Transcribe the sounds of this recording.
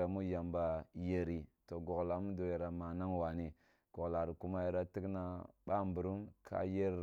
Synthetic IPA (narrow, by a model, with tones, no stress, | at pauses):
a˨mu˦ja˨mba˨je˨ɾi˨to˨ɡo˨ɡla˨mu˦do˨ja˨ɾa˨ma˨na˦ŋwa˨ni˨ | ɡ̥o˨ɡla˨ɾi˨ku˦ma˦ja˨ɾa˦ti˦kna˦ɓa˦˨mbu˨ɾu˦mkʰa̰˦je˦ɾ